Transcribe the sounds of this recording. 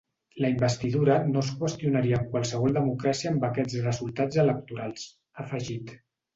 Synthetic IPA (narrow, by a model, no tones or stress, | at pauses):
ləimbəst̪iðuɾənoskwəst̪iunaɾiəːmkwalˠsəβ̞ɔlˠd̪əmukɾasiəːmbəkɛd͡zrəzulˠt̪ad͡zələk̚t̪uɾalˠs | əfəʒit̪